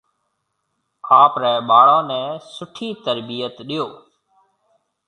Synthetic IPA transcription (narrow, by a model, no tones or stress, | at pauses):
kʰaːpɾɛːɓaːɽõːnɛ̃ːsʊʈʰiːt̪əɾbijət̪ɗijoː